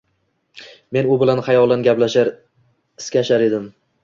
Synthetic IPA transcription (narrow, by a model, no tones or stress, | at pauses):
me̞nʊbɪlanχajɒlˠanɡʲaplaʃaɾ | ɪskʲaʃaɾe̞d̪ɪm